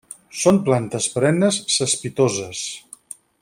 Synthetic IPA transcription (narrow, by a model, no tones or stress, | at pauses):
sonplant̪əspɾɛnəsːəspit̪ozəs